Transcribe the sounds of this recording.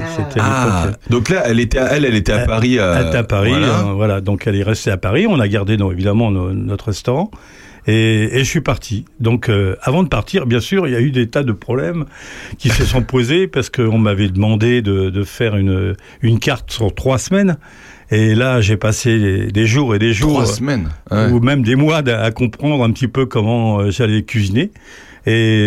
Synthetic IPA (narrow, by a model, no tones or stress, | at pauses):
set̪ʰɛaɔed̪ɔ̃klaɛlet̪ɛɛlɛlet̪ɛapaʁiøɛeɛapaʁiɛ̃vwalad̪ɔ̃kɛlɛʁɛst̪eapaʁiɔ̃naɡaʁd̪enɔevid̪amɑ̃nonɔt̪χəʁɛst̪ɔʁɑ̃ | eeʒəsɥipaʁt̪ʰid̪ɔ̃køavɑ̃d̪əpaʁt̪iʁbjɛ̃syʁiljayd̪et̪ad̪əpχɔblɛmkʲisəsɔ̃pozepaʁsə̥kəɔ̃mavɛd̪əmɑ̃d̪ed̪əd̪əfɛʁyn | ynkaʁt̪syʁt̪χwasmɛn | elaʒepaseed̪eʒuʁed̪eʒuʁsmɛnumɛmd̪emwad̪akɔ̃pχɑ̃d̪ʁɛ̃pət̪ipøkɔmɑ̃øʒalɛkʲɥizine | e